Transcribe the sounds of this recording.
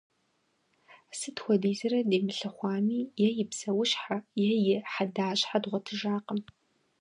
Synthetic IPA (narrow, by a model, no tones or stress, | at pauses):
sɨtxʷɔdiːzɐɾɐdeːmɨɬɐχʷɑːmiːjɛjɪpsɐwʊɕħajɛjɪħadaːɕħadʁʷɔtʰɨʒaːqəm